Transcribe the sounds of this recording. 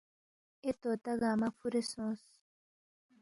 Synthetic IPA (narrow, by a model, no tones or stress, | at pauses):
et̪ot̪aɣaːmafuɾesõs